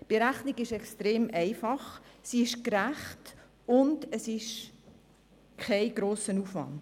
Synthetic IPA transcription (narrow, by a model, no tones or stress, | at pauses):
b̥eɾæχniɡɪʃɛkstɾeːmʔɛɪfɑχsiɪʃkɾæχt | ʊndəsɪʃ | kʰɛɪɡɾoːsənufʋɑ̰nd̥